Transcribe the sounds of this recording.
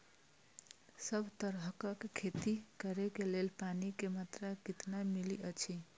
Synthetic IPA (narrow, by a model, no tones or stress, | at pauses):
səbʱt̪əɾɦəkəkkʰːet̪ikəɾekelelpanikemat̪ɾakit̪namiliʔət͡ʃʰi